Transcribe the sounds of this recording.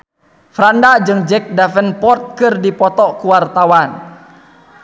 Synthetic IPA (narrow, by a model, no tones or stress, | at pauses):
fɾandad͡ʒɨŋd͡ʒɛk̚dafənpɔrt̪̚kɨrdipɔt̪ɔkuwart̪awan